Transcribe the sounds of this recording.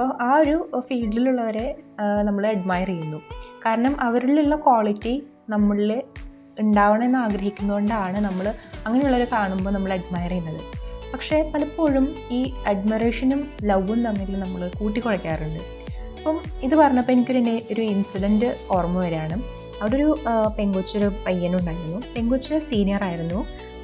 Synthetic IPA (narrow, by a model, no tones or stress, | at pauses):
ɐpːoʔaːo̞ɾufiːɖːiluɭːɐʋɐɾe̞nɐmːɐɭɐɖmaːjirijːunːukaːɾɐɳɐmʔɐʋɐɾuɭilːɐkwaːɭitːi | nɐmːɐɭil | uɳɖaːʋɐɳɐme̞nːaːɡɾɐɦikʲːunːɐɣoɳɖaːɳɨnɐmːɐɭɐŋːɐne̞juɭːɐʋoɾekaːɳumbo̞ːnɐmːɐɭeɖmaːjrɐjunːɐðɨpɐkʂe̞pɐlɐpːo̞ːɻumiːɐɖmireːʂɐnumlɐʋːumt̪ɐŋːiilnɐmːɐɭkuːʈːikːoɻɐkʲːaːruɳɖɨ | ɐpːɐmiðɨpɐrɐɲːɐpːenikʲːoɾt̪ɐnːe̞ʔo̞ɾuinsiɖɐndɨoːrmɐʋɐɾaːɳɨ | ɐʋɐɽoɾupe̞ŋɡot͡ɕːoɾupɐjːɐnuɳɖaːjiɾunːupe̞ŋɡot͡ɕːusiːnijɐraːjiɾunːu